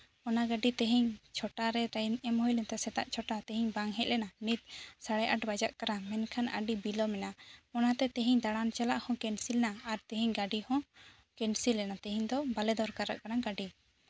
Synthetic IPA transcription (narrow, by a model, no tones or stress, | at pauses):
ɔnaɡaɖit̪ɛɦiɲt͡ʃʰɔʈaɾɛɾɛnɛmhɔjlɛnt̪ɛsɛt̪aʔt͡ʃʰɔʈat̪ɛɦiɲbaŋɦɛʔ̪̚lɛnanit̪̚saɽɛʔaʈbad͡ʒaʔkaɾamɛnkʰana̰ɖibilɔmɛnaɔnat̪ɛt̪ɛɦiɲd̪aɽant͡ʃalaʔhɔ̃kɛnsilɛnaːɾt̪ɛɦiɲɡaɖihɔ̃ | kɛnsilːɛnat̪ɛɦiɲd̪ɔbalɛd̪ɔɾkaɾa̰ʔkaɾaɡaɖi